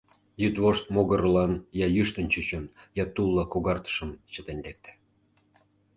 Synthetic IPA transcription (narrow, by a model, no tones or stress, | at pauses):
jyt̪βoʃt̪̚moɣə̆ɾlɑnjɑjyʃt̪ə̆nt͡ɕyt͡ɕənjɑt̪ulˠːɑkuɣɑrt̪ə̥ʃə̆mt͡ɕə̆t̪enʲlek̚t̪æ̥